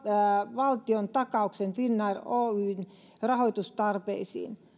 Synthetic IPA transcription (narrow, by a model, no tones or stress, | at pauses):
ʋɑlt̪iont̪ɑkɑuksenfinːɑroːyːn | rɑhoit̪ust̪ɑrpeisḭːn